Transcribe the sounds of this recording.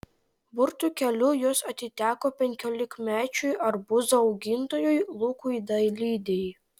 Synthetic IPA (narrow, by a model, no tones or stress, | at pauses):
bʊɾt̪uːkʲɛlʲʊjuɔsɐt̪ʲɪt̪ʲæːkoːpʲɛŋʲkʲoːlʲɪkmʲæːt͡ʃʲʊjʔɐɾbʊzɐɒʊɡʲɪnt̪oːjʊjlˠuːkʊid̪ɐjlʲiːd̪ʲɛj